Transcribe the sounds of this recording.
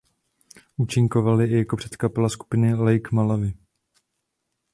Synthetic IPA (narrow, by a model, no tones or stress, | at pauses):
ʔut͡ʃɪŋko̞valɪʔɪjakopr̥ɛt̪kapɛlasku̥pɪnɪlɛjkmalavɪ